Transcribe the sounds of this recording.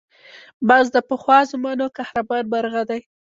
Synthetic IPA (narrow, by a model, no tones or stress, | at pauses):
bazd̪əpəxwɑzʊmanokahɾabɑɾbaɾɣad̪aj